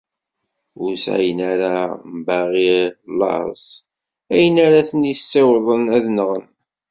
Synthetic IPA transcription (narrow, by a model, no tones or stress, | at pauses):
ʊɾsæ̰jənaɾambæʁiɾlːɑ̰s | æjənaɾaθənisːewðˤənæðnəʁən